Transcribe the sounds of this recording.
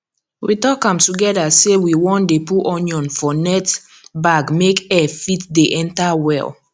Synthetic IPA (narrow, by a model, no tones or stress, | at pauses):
witɔkãmtuɡɛdasewiwɔ̃ndepuʔɔnjɔ̃nfɔnɛt | baɡmekɛfitdeʔɛ̃ntawɛ̰l